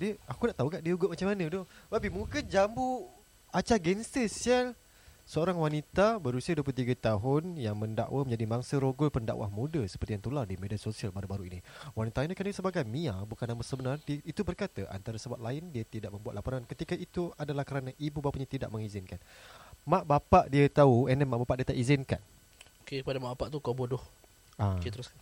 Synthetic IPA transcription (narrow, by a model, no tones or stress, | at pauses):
diakunaʔt̪aukaʔdiəuɡʊʔmat͡ʃamːanə̃dʊbapimũkəd͡ʒambu | at͡ʃaɡɛnsəsəl | səoɾaŋwanit̪abəɾusiəduəp̬ut̪iɡət̪aɦʊnjaŋmə̃nda̰ʔwʔamə̃ɲd͡ʒadimaŋsəɾoɡʊlpənda̰ʔwa̰hmũdəsəpərt̪ijaŋt̪uladimediasosialbaɾubaɾuiniwanit̪ainəkansəbaɡajmĩabukanambəsəbənart̪iit̪ubərkat̪əʔa̰nt̪aɾəsəbwat̪̚laɪndiət̪idaʔmə̃mbuat̪̚lapoɾankət̪ikaʔit̪uadalahkəɾanãʔibubapaʔiɲãt̪ida̰ʔ̚məŋizɪnkanmãʔbapaʔdiət̪auɛnɛmãʔbapaʔdiat̪aʔizɪnkan | okekəpadamaʔbapaʔt̪ukabodʊh | aket̪əɾʊsa